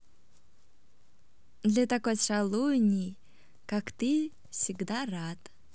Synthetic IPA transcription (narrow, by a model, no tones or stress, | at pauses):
d̪lʲɐt̪akojʂalˠunʲij | kakt̪ɨ | fsʲɪɡd̪arat̪